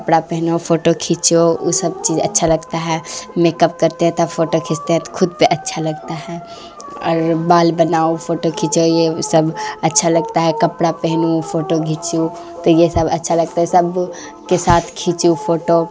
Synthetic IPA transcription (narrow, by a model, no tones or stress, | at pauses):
kɐpɽapɛɦnopʰoːʈokʰit͡ʃousɐb̚t͡ʃiːd͡ʒə̰tːʃʰaləɡt̪aɦɛmekəp̚kɐɾt̪eɦɛ̃t̪əbfʰoːʈokʰɪst̪eɦɛ̃t̪o̥kʰʊd̪̚peʔɐtːʃʰalɐɡt̪aɦɛ | ɔ̰ːɾbaːlbənaːopʰoːʈokʰiːt͡ʃojesəbɐtːʃʰalɐɡ̚t̪aɦɛkəpɽapɛɦnupʰoːʈoɡʱit͡ʃu | t̪ojesəbətːʃʰalɐɡ̚t̪aɦɛsəb | kesaːt̪ʰkʰit͡ʃupʰoːʈo